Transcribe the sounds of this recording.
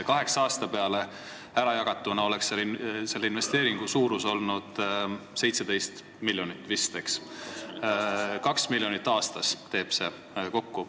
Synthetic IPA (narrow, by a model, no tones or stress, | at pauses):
kɑɦe̞ksɑːst̪ɑpe̞ɑle̞ | æɾɑjɑɡ̥ɑt̪ːˑunɑo̞lekselːse̞lːeinve̞st̪e̞ːɾiŋɡ̥usuːɾuso̞lnud̪̥se̞jt̪sed̪̥e̞jst̪ | milʲjo̞nit̪ːˑvist̪eks | kɑksmilʲjo̞nit̪ːɑːst̪ɑst̪e̞ːb̥se̞ | ko̞kːu